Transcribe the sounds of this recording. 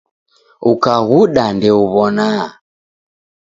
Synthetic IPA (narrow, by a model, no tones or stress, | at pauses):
ukaɣuɗandɛuβɔna